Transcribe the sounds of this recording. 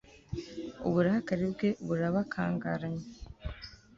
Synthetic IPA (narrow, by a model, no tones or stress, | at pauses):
uβuɾahakaɾibɡe̞ʔβuɾaβakʰa̰ːŋɡaɾaɲe